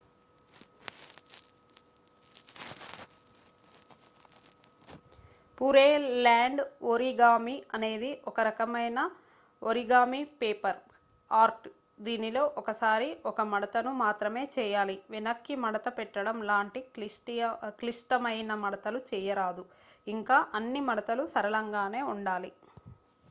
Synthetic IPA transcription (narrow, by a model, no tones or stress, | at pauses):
puɾeːlaːɳɖoɾiɡaːmiɐne̞ːd̪iʔɔkɐɾɐkɐmɐjnɐ | oɾiɡaːmipeːpɐɾ | aːɾʈ | d̪iːnilo̞ːʔɔkɐsaːɾiɔkɐmɐɽɐt̪ɐnumaːt̪ɾɐme̞ːt͡ʃɛːjaːliʋinɐkːimɐɽɐt̪ɐpɛʈːɐɽɐmlaːɳʈiʈkliʂʈɐmɐjnɐmɐɽɐt̪ɐlut͡ʃɛːjɐɾaːd̪u | iŋkaːʔɐnːimɐɽɐt̪ɐlusɐɾɐlɐŋɡaːne̞ːuɳɖaːli